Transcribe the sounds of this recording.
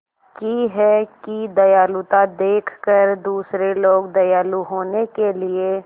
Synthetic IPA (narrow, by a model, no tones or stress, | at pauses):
kiɦɛkid̪ɐjaːlut̪ad̪eːkʰkəɾd̪uːsɾeloːɡd̪ɐjaːluɦoːnekelie